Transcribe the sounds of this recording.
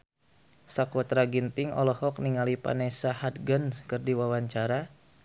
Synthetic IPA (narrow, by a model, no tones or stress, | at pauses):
sakwat̪ɾaɡint̪ɪŋɔ̰lɔhɔk̚niŋalipa̰nɛsahat̪̚ɡənskɨrdiwawaɲt͡ʃaɾa